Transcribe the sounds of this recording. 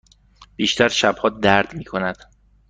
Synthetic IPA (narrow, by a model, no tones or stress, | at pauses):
b̥iːʃt̪ʰæɾʃæb̥hɒːd̪æɾd̪miːkʰo̞næd̪̥